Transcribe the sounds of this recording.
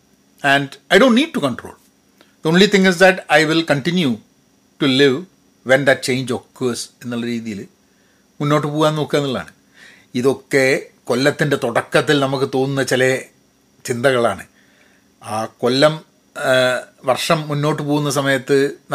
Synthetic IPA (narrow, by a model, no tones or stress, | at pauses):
ændɐjɖoːnnːiːɖ̚ʈukɐɳʈro̰ːl | d̪oːnlit̪ĩŋɪs̬d̪ɐʈɐjʋilkɐɳʈinju | ʈuliʋ | ʋend̪ɐt̚t͡ɕe̞jɲd͡ʑo̞kːuɐse̞nːuɭːɐɾiːðijil | munːo̞ːʈ̬ːɨpoːɣaːno̞ːkːeenːilːa̰ːɳɨ | iðo̞kːe̞kolːɐt̪ːinde̞t̪oɽɐkːɐt̪ːilnɐmukːɨt̪o̞ːnunːɐt͡ɕilɐ | t͡ɕind̪ɐɣɐɭaːɳɨ | aːko̞lːɐm | ʋɐrʂɐmːunːo̞ːʈːɨp̬oːɣunːɐs̬ɐmɐjɐt̪ːɨn